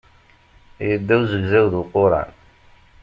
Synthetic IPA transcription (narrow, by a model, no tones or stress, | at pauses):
jəd̪ːæwzəɡzæwðuqoɾˤɑ̰n